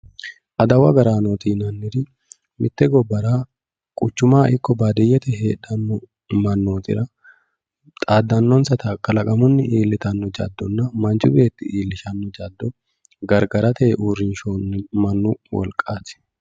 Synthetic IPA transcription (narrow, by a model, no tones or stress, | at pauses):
ʔɐd̪ɐwɐɡɐɾaːnoːt̪iːnɐnːɪɾɪ | mɪt̪ːɛɡɔbːɐɾaː | kʼʊt͡ʃːʊmaːʔɪkːɔbaːd̪ɪjːɛt̪ɛɦḛːᶑɐnːɔ | mɐnːo̞ːt̪ɪ̰ɾɐ | t̪ʼaːd̪ːɐnːɔnsɐt̪ɐkːɐlɐkʼɐmʊnːɪʔiːlːɪt̪ɐnːɔd͡ʒɐ̰d̪ːɔnːɐmɐnt͡ʃʊbe̞ːt̪ːɪʔiːlːɪʃɐnːɔd͡ʒɐd̪ːɔ | ɡɐɾɡɐɾɐt̪eːʔuːɾɪnʃoːnːmɐnːʊwɔ̰lkʼːaːt̪ɪ̥